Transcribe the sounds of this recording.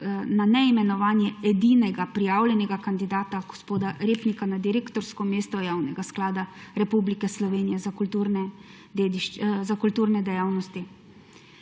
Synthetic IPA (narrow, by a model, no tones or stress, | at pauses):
nanɛimɛnɔʋaːnjɛɛd̪inɛɡapɾijaːwlɛnɛɡakand̪id̪aːt̪aɡ̥ɔspoːd̪aɾeːpnikanad̪iɾeːkt̪ɔɾskɔmeːst̪ɔjaːwnɛɡasklaːd̪aɾɛpublikɛslɔʋeːnijɛzakult̪uɾnɛ | ed̪iʃzakult̪uːɾnɛd̪ɛjaːwnɔst̪i